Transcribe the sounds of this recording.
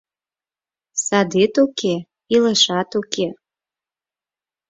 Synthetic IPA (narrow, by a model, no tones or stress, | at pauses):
sɑd̪et̪uke | iləʃɑt̪uke